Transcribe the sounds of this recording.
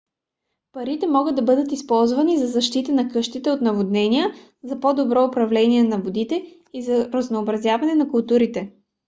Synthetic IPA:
pɐɾit̪ɛmɔɡəd̪̚d̪ɐbɤd̪ət̪ispɔlˠzvɐnizɐzɐʃt̪it̪ənɐkɤʃt̪it̪ɛot̪nɐvod̪nɛniə | zɐpod̪obɾɔʊpɾɐvlɛniɛnɐvod̪it̪ɛ | izɐɾɐznoːbɾɐzjavɐnɛnɐkʊlˠt̪uɾit̪ɛ

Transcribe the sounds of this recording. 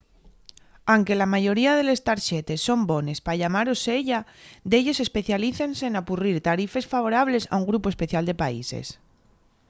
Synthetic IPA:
awŋke̞lamaʝo̞ɾiað̞e̞le̞st̪aɾʃe̞t̪e̞sːo̞mbo̞ne̞spaʎamaɾo̞se̞ʎad̪e̞ʎo̞se̞spe̞θjaliθense̞ːnapuriɾt̪aɾife̞sfaβ̞o̞ɾaβ̞le̞sa̰uŋɡɾupospe̞θjald̪e̞paḭse̞̰s

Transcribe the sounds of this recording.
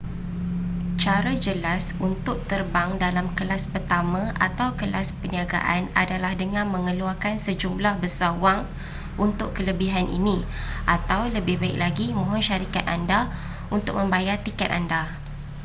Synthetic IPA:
t͡ʃaɾad͡ʒəlasunt̪ʊk̚t̪ərbaŋdalamkəlaspərt̪amãʔat̪awkəlaspəniaɡa̰ʔana̰dalahdəŋãnmə̃ŋəluarkansəd͡ʒumlahbəsawaŋ | ʔunt̪ʊʔkːələbiɦanʔḭnĩ | ʔat̪awləbɪhbaik̚laɡimõɦʊnʃaɾikat̪̚anda | unt̪ʊk̚mə̃mbajart̪ikɛt̪̚anda

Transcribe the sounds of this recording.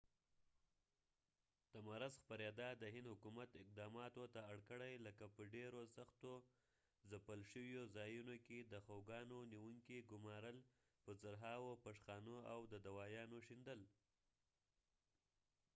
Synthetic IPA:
d̪̥əmaɾazxpaɾjɑd̪ɑd̪əɦɪnd̪hʊkumat̪ɪq̚d̪ɑmɑt̪ot̪aːɽkəɽajləkapəɖeɾosaxt̪o | zapəlʃəwjozɑjunoked̪əxawɡɑnoniwuŋkiɡʊmɑɾəl | pəzaɾɦɑwopaʂxɑnoawd̪əd̪awɑjɑnoʃind̪əl

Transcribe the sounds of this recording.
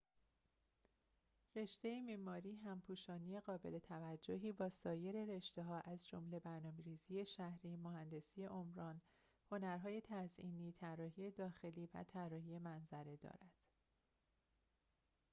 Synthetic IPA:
re̞ʃt̪e̞jemiːmɒːɾiːɦæmpʰuːʃɒːnije̞ɣɒːbe̞le̞t̪ʰævæd͡ʒːoɦiːbɒːsɒːje̞ɾe̞ɾe̞ʃt̪e̞ɦɒːʔæzd͡ʒomle̞bæɾnɒːmeɾiːziːje̞ʃæhɾiːmohænd̪e̞sije̞ʔomɾɒːn | ho̞næɾɦɒːje̞t̪ʰæziːniːt̪ʰærːɒːɦiːje̞d̪ɒːxe̞liːvæ̰t̪ʰærːɒːhiːjemænzæɾe̞d̪ɒ̰ːɾæd̪̥

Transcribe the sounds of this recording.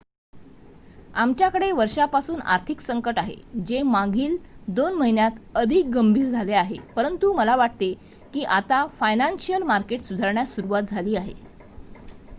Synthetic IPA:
amt͡ɕjakəɽeʋəɾʂapasuːna̰ɾt̪ʰiksəŋkəʈaɦḛd͡ʑemãŋɡʱiːld̪onməɦinjat̪əd̪ʱiːk̚ɡəmbʱiːɾd͡zʱaleaɦepəɾənt̪uməlaʋaʈ̚t̪e | kiːʔat̪afajnanɕijəlmaɾkeʈsud̪ʱaɾɳjasuɾuʋat̪̚d͡zʱaliːaɦḛ

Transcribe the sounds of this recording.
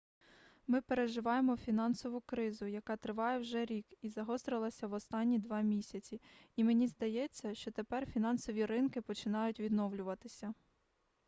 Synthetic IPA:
mɪpeɾe̞ʒɪʋɑjemɔfʲinɑnsɔʋʊkɾɪzʊjɐkɑt̪ɾɪʋɑjɛwʒɛɾʲikizɐɦɔst̪ɾɪlˠɐsʲɐʋɔst̪ɑnʲːid̪ʋɑmʲisʲɐt͡sʲiimenʲizd̪ɐjɛt͡sʲːɐʃt͡ʃɔt̪epɛrfʲin̪ɑnsɔʋʲiɾɪnkɪpɔt͡ʃɪnɑjʊtʲʋʲid̪nɔwlʲʊʋɐt̪ɪsʲɐ

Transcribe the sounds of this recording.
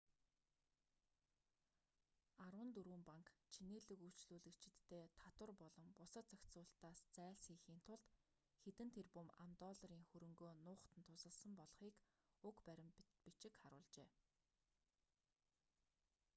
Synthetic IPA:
arwə̆nt̪uɾuːmpaŋkt͡ɕʰineːɮɘ̆ku̥t͡ɕɮuːɮɘ̆kt͡ɕʰɪ̆t̪ːeːt̪ʰat̪wə̆rpɔɮɞ̆mpʊsə̆t͡sakʲt̪t͡sʊːɬt̪aːst͡sæːɮsxiːxiːn̥t̪ʰʊɮt̪ | xet̪ɘ̆nt̪ʰerpɵma̰mt̪ɔːɮɾiːŋxɵɾɵ̆ŋɡoːnʊːχt̪ə̆nt̪ʰʊsə̆ɮsə̆mpɔɮχiːk | ʊkpæɾʲɪ̆mpit͡ɕɪ̆kχaɾʊ̰ːɮt͡ɕeː

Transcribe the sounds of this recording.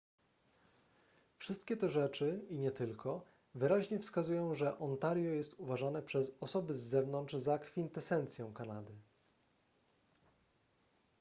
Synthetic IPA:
fʂɘst̪̚kʲɛt̪ɛʐɛt͡ʂɘiɲɛt̪ɘlkʰɔ | vɘɾaʑɲɛfskazujɔ̃w̃ʐɛʔɔnt̪aɾjɔjɛst̪uvaʐanɛpʂɛzɔsɔbɘzːɛvnɔnt͡ʂzakfʲint̪ɛsɛnt̪sʲjɛ̃w̃kanad̪ɘ

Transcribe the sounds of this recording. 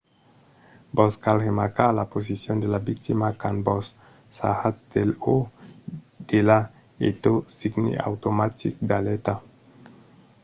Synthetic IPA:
boskalhemakalapozisiondelabik̚timakanbosː | a̰hasdelo | d̥ela | ḛtosiɡnḭa̰wtomatʰikdaleta

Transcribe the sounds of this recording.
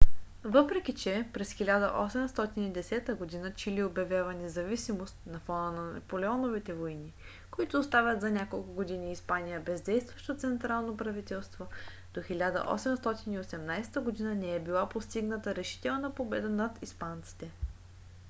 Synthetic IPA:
vɤpɾɛk̟ʲit͡ʃɛpɾɛsxilʲad̪ə̰ʔɔsɛmst̪ɔt̪inid̪ɛsɛt̪əɡod̪inət͡ʃiliobjɐvʲjavɐnɛzɐvisimost̪nɐfɔnənɐnɐ̰polɛɔnovit̪ɛvojni | koit̪oːst̪avʲɐt̪zɐnʲakolˠkʊɡod̪iniːspanijəbɛzd̪ɛjst̪vɐʃt̪ot̪sɛnt̪ɾalˠnopɾɐvit̪ɛlˠst̪vo | d̪̥oxɛlʲad̪ə̰ʔɔ̰sɛmst̪ɔt̪iniosɛmnajst̪əɡod̪inənɛɛbilˠapost̪iɡnət̪əɾɛʃi̥t̪ɛlˠnɐpobɛd̪ənɐt̪ispant̪si̥t̪ɛ

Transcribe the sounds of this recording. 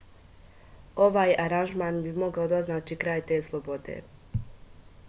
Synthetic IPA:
o̞ʋaːjaɾanʒmaːnbimo̞ɡaod̪oznaːt͡ʃikɾaːjt̪e̞ːslˠobo̞d̪ḛː

